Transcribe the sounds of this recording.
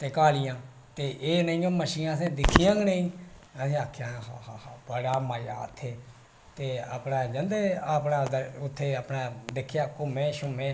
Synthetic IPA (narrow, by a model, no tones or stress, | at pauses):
t̪eːkaːlijãː | t̪eːʔeːnəĩːõːməʃiːãːsɛ̃ːd̪ɪkʰijãːɡnəĩːəsẽːaːkʰjãːɦaːhaːhaːbəɽaːmaːjaːə̰t̪ʰːeː | t̪eːəːpnaːd͡ʒə̃nd̪eːapnãːd̪əʊt̪ʰːeːəːpnãːd̪ekʰːjaːkʊmẽːʃʊmẽː